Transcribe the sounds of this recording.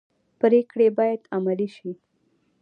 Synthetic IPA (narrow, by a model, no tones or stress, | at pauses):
pɾekɽebɑjad̪amaliʃi